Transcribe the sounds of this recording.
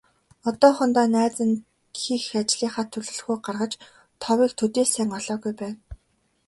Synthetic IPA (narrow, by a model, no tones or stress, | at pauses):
ɔt̪ɔːχɔ̆nt̪aːnæːt͡sə̆n | xiːxat͡ɕɮiːχaːt̪ʰːɵɮɵ̆ɮxuːɢarʁə̆t͡ɕ | t̪ʰɔwiːk̚t̪ʰɵt̪eːsæːŋɔɮɔːɣujpæːn